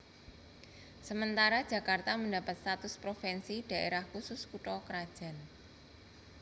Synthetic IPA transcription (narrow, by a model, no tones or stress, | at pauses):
səmənt̪aɾad̥ʒ̥ä̤kart̪aməndapat̪̚st̪at̪ʊspɾofɛnsid̥a̤ʔḛɾahkusʊskuʈɔkəɾad̥ʒ̥a̤n